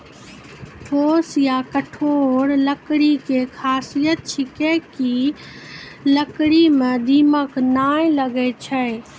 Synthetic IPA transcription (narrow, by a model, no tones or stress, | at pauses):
poːsjakəʈʰoːɽləkɽikekʰaːsijət̪̚t͡ʃʰɪkeki | ləkɽimẽd̪iːməknaːẽləɡet͡ʃʰɛɪ